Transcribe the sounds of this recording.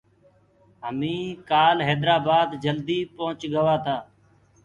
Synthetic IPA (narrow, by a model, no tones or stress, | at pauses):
ɦəmĩːkaːlɦeːd̪ɾaːbaːd̪d͡ʒəld̪iːpoɦʊt͡ʃɡəʋaːt̪ʰaː